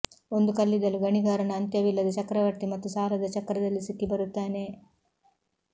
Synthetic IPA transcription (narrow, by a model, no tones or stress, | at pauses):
o̞nd̪ukɐlːid̪ɐluɡɐɳiɡaːɾɐnɐːnt̪jɐʋilːɐd̪ɐt͡ʃɐkɾɐʋɐɾt̪imɐt̪ːusaːlɐd̪ɐt͡ʃɐkɾɐd̪ɐlːisikːibɐɾut̪ːaːne̞